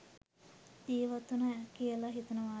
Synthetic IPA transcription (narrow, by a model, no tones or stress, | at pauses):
d̪iːʋat̪unɐkiəlaɦit̪unəʋaː